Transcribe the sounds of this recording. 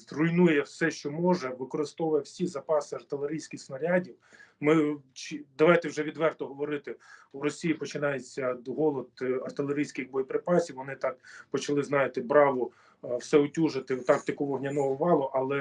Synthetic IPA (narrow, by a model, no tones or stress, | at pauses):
zrʊjnujɛwsɛʃt͡ʃɔmɔʒɛʋɪkɔɾɪst̪ɔʋʊjɛwsʲizɐpɑsɪɐrt̪ɪlˠeɾʲijsʲkʲɪxsnɐɾʲɑdʲiwmɪt͡ʃid̪ɐʋɑjt̪ɛwʒɛʋʲid̪ʋɛrt̪ɔɦɔʋɔɾɪt̪ɪʊɾɔsʲijipɔt͡ʃɪnɑjet͡sʲːɐɦɔlˠɔd̪ɐrt̪ɪlˠeɾʲijsʲkɪxbɔjipɾɪpɑsʲiwʋɔnɪt̪ɑkpɔt͡ʃɐlˠɪznɑjɪt̪ɪbɾɑʋʊ | wsɛʊtʲuʒɪt̪ɪt̪ɑkt̪ɐkɔʋɔɦnʲɐnɔɦɔʋɑlˠʊʔɐlˠɛ